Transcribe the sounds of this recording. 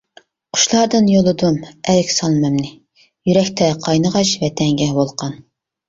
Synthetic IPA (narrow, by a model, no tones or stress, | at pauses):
qʰʊ̥ʃlˠɑɾd̪ɨnjolˠɨd̪umɛlkʲsɑlˠmɛmnɪ | jyɾɛkʲt̪ʰɛqʰɑjnəʁɑʃvɛt̪ʰɛŋɡʲɛhbolˠqʰɑn